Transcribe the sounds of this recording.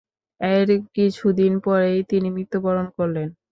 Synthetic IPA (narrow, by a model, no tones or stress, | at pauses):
eɾkit͡ɕʰud̪inpɔɾejt̪inimɾit̪ːobɔɾonkoɾlen